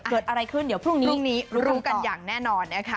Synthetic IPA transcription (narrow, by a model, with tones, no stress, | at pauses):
ɤː˨˩t̪̚ʔa˧ɾa˧jkʰɯ˥˩ndi˩˦əpʰɾu˥˩ŋniː˦˥˩ŋniː˦˥ɾɾuː˦˥ka˧njaː˨˩ŋnɛː˥˩nɔː˧nːa˦˥kʰa˦˥